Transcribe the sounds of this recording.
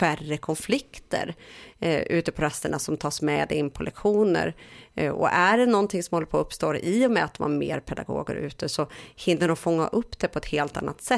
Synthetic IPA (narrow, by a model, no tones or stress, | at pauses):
færːəkʰɔnflɪkt̪ə̰ɾ | ʉ̟ːt̪əpʰɔɾɛst̪əɳasɔmt̪ʰɑːsmɛd̪ɪnpʰɔlɛkɧuːnə̰ɾɔ̰ʔæɖɛnɔnt̪ʰɪŋsɔmhɔlːəɾpʰɔɵpst̪oːɾʔiːɔmɛat̪d̪ɔma̰mḛːɾpʰɛd̪a̰ɡo̰ːɡə̰ɾʉ̟̰ːt̪əsɔhɪnːəɾɔfɔŋːa̰ʔɵpːd̪̥ɛpʰɔɛt̪heːlt̪a̰nːat̪sɛ